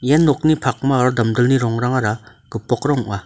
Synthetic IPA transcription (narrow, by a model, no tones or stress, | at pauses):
janːɔk̚nipʰak̚maːɾɔdamdɯlniɾɔŋɾaŋaɾa | ɡɯpːɔkɾɔŋuʔa